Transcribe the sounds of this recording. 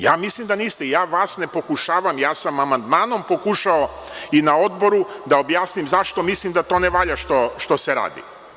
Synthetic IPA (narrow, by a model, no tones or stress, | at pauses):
jaːmislimd̪aniːst̪eijaːʋaːsne̞po̞kuʃaːʋamjaːsamamand̪maːno̞mpo̞kuʃao̞ | inao̞d̪bo̞ɾud̪ao̞bjaːsnimzaʃt̪o̞mislimd̪at̪o̞ːneʋaʎaʃt̪oʃt̪o̞seɾa̰ːd̪ḭ